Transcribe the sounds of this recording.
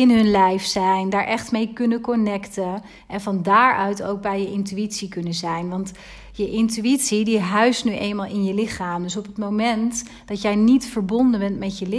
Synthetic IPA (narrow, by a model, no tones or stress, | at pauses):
ɪnɦɵnlɛjfsɛjndaːɹʔɛχtmejkɵnəkɔnɛktə | ʔɛnvɑndaːɹʔœɥto̰wk̚bɛjjəʔɪntyitsikɵnəzɛjnʋɑnt | jəʔɪntyitsidiɦœɥstnyʔejlnmaːlˠɪnjəlɪχaːmdɵs̬ɔpɦətmowmɛnt | d̥ɑtjɛjnitfəɹbɔndənbɛntmɛtjəlɪ